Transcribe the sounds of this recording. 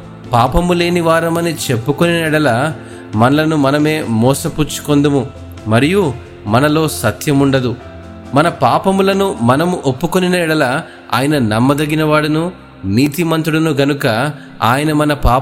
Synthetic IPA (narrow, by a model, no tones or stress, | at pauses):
paːpɐmule̞ːniʋaːɾɐmɐnit͡ʃe̞pːukoninɐiɽɐlɐ | mɐnɐlɐnumɐnɐme̞ːmɔːsɐput͡ʃːu̥kond̪ɐmu | mɐɾiju | mɐnɐlo̞ːsɐt̪jɐmuɳɖɐd̪u | mɐnɐpaːpɐmulɐnumɐnɐmuʔopːukoninɐiɽɐlɐ | a̰ːjɐnɐnɐmːɐd̪ɐɡinɐʋaːɽɐnu | niːt̪imɐnt̪ɾuɽɐnuɡɐnukɐ | a̰ːjɐnɐmɐnɐpaː